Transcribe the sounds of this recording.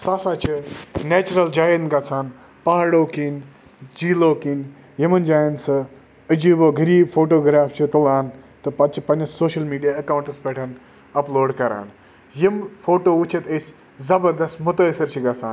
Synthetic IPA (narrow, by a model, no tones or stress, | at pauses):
saːsaːt͡ʃʰineːt͡ʃuɾɐld͡ʒaːjɐnɡɐt͡sʰaːn | pɐɦaɽoːkin | d͡ʒiːloːkin | jimɐnd͡ʒaːjnsɨ | ɐd͡ʒiːboːɡəɾiːbfoːʈoːɡɾaːft͡ʃʰit̪ulaːnt̪ɨpɐt̪̚t͡ʃʰipɐnʲɐsoːʃɐlmiːɖijaːɐkauɳʈɨspeːʈʰɐn | ɐploːɖkɐɾa̰ːn | jimfoːʈoːut͡ʃʰɐt̪es | zɐbɐɾd̪ɐst̪mʊt̪əːsɐɾt͡ʃʰiɡɐt͡sʰa̰ːn